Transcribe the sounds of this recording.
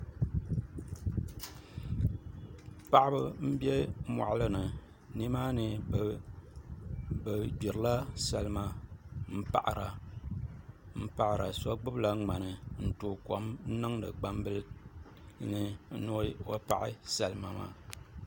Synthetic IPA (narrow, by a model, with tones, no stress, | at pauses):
pa˨ʔɪ˦bɨ˦m̩˦bjɛ˦mɔ̰˨ʔlɨ˦nɨ˨ | ni˦maː˦nɨ˨ | bɨ˨d͡ʒi˨ɾɨ˨la˦sa˨lɨ˦ma˦m̩˦pa̰˨ʔɾa˨ | m̩˦pa˨ʔɾʔa˨sɔ˦ɡ͡bɨ˦bla˦ŋ͡ma˨nɨ˨n̩˨toː˨kɔ˨mn̩˦nɨ˦ŋnɨ̰˨ɡ͡ba˦mbɨ˦l | nɨ˨˦nʊ˦wo˦pa̰˨ʔɪ̰˦sa˨lɨ˦ma˨ma̰ː˦˨